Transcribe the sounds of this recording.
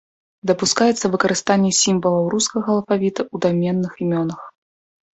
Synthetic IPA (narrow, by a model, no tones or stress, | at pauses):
d̪ɐpuskajɛt̪sːɐvɨkɐɾɨst̪anʲːɛsʲimvɐlˠɐwɾuskɐɣɐːlˠfavʲit̪ɐud̪amʲɛnːɨximʲɔnɐx